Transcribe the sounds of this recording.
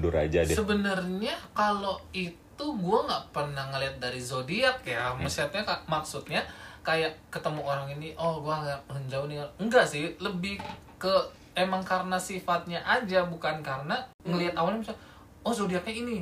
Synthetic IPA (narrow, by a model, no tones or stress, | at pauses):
duɾa̰d͡ʒadsəbənərɲakaloit̪uɡuaŋɡaʔpərnahŋəliɦat̪̚daɾizodiak̚jaməsiat̪ɲakamaksut̪̚ɲakajaʔkət̪əmuoɾaŋiniʔɔhɡuaahəɲd͡ʒawuniŋanəŋɡaʔsɪhləbɪh | kə | emaŋkaɾənasifat̪̚ɲaʔad͡ʒabukankaɾəna | ŋəliɦat̪awalɲamisa | ɔhzodiak̚ɲaini